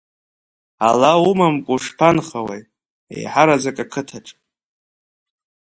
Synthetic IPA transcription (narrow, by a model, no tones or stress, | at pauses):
a̰laumamkʷʼuʂpʰanχawḛj | ḛjħaɾad͡zakʼakʰɨtʰaʈ͡ʂʼ